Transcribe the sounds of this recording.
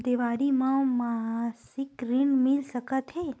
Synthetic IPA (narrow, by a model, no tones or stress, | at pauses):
d̪eʋaɾimãmaɦasɪkɾiɳmɪlsəkət̪ɦe